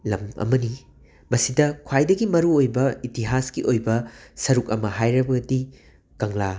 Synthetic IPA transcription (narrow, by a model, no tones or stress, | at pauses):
lɐ̰mɐ̰mɐni | mɐsidɐkʰwajdɐɡimɐɾuojbɐitiɦasɡiʔojbɐsɐɾuk̚ɐmɐɦajɾɐbɐdi | kɐŋla